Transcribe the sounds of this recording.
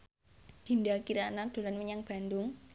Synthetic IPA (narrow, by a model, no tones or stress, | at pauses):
d̪̥i̤ndakiɾanad̪̥o̤lanməɲaŋb̥a̤nd̪ʊŋ